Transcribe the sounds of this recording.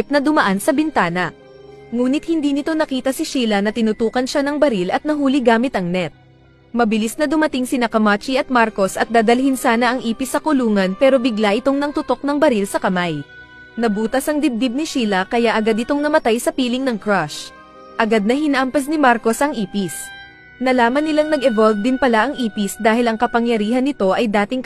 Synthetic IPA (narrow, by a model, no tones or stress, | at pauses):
p̚nɐd̪ʊmɐʔansɐbɪnt̪aːnɐ | ŋuːnɪt̪̚hɪnd̪iːnɪt̪o̞nɐkiːt̪ɐsɪʃiːlɐnɐt̪ɪnʊt̪uːkɐnʃanɐŋbɐɾilɐt̪̚nɐɦuːlɪɡaːmɪt̪ɐŋnɛt̪̚ | mɐbɪlisnɐd̪ʊmɐt̪iŋsɪnɐkɐmat͡ʃiɐt̪̚maɾko̞sʔɐt̪̚d̪aːd̪ɐlhɪnsaːnɐʔɐŋʔiːpɪsɐkʊluːŋɐnpɛːɾo̞bɪɡlaʔɪt̪o̞ŋnɐŋt̪ʊt̪o̞k̚nɐŋbɐɾilsɐkɐmaj | nɐbuːt̪ɐsɐŋd̪ɪb̚d̪ib̚nɪʃiːlɐkɐjaʔɐɡad̪ɪt̪o̞ŋnɐmɐt̪ajsɐpiːlɪŋnɐŋkɹaʃ | ʔɐɡad̪̚nɐhɪnɐʔampɐs̬nɪmaɾko̞sʔɐŋʔiːpis | nɐlaːmɐnːɪlaŋnɐɡɛvolvd̪ɪnpɐlaʔɐŋʔiːpɪsd̪aːhɪlɐŋkɐpɐŋjɐɾiːɦɐnːɪt̪o̞ʔɐjd̪aːt̪ɪŋk